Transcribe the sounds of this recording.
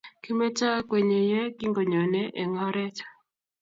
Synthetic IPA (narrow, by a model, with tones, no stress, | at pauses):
ki˦me˦t͡ʃa˦kwe˨ɲe˨jɛ˦ki˦ŋɡo˨ɲɔ˨nɛ˦ʔe˨ŋɔ˦ɾɛ˦t͡ʃḁ˦